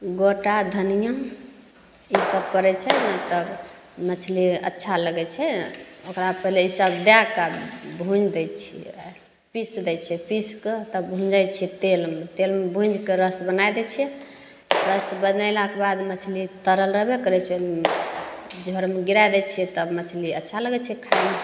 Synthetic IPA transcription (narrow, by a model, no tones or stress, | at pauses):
ɡoʈad̪ʱənijə | isəbpəɾɛt͡ʃʰɛnət̪əb | mət͡ʃʰliə̰tːʃʰaləɡɛt͡ʃʰɛokɾapəɦileisəbd̪jakabʱũd͡ʒd̪ɛt͡ʃʰḭ | pisd̪ɛt͡ʃʰɛpisket̪əbʱũd͡ʒajt͡ʃʰɛt̪elmet̪elmebʱũnd͡ʒʱkeɾəsbənajd̪ɛt͡ʃʰiɛ | ɾəsbənaɪlakebad̪mət͡ʃʰlit̪əɾəlɾəɦbekəɾɛt͡ʃʰɛ | d͡ʒʱəɾmeɡiɾajd̪ɛt͡ʃʰiɛt̪əbmət͡ʃʰliətːʃʰaləɡɛt͡ʃʰɛkʰam